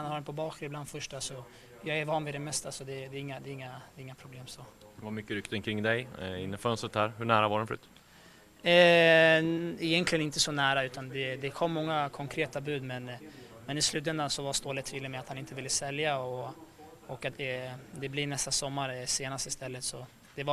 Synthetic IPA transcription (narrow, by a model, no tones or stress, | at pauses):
hanhaɾɛnpʰɔbɑːkɾɪbland̪fœʂʈasɔ | jɑːɡɛɾvɑːnvɪd̪ɛmɛst̪asɔd̪ɛd̪ɛːɾɪŋːad̪ɛːɾɪŋːad̪ɛɾɪŋːapʰɾʊbleːmsɔ | vamʏkːəɾʏkt̪ənkʰɾɪŋːd̪ɛjɪnːəfœnst̪ɾət̪̚hæːɾɦɵɳæːɾavadɛnfœɾʉ̰ːt̪ | ɛ | ɪjɛnt̪lɪɡənɪnt̪əsɔnæːɾaʉ̟ːt̪and̪ɛd̪ɛkʰɔmːɔŋːakʰɔŋkʰɾeːt̪abʉ̟ːd̪mɛnmɛnɪslʉ̟ːt̪ɛnd̪ansɔvast̪oːlɪt̪ʰːviːlːəmɛat̪hanɪnt̪əvɪlːəsɛljaɔ | ɔkːat̪̚d̪ɛd̪ɛblɪnɛst̪asɔmːaɾseːnast̪ɪst̪ɛlːət̪sɔ | d̪̥ɛva